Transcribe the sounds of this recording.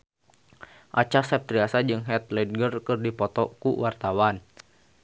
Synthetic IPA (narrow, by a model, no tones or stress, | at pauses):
ʔat͡ʃasɛp̚t̪ɾiasad͡ʒɨŋɦɛt̪̚lɛd̚ɡərkɨrdipɔt̪ɔ̰kuwart̪awan